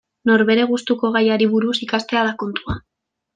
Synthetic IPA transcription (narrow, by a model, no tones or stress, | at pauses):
no̞ɾβe̞ɾe̞ɣ̞ust̪uko̞ɣajaɾiβuɾusikast̪e̞aðako̞nt̪ua